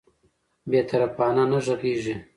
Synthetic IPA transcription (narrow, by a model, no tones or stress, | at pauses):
beːt̪ʰɐɾɐpaːnanɐʒɐɣiːʒe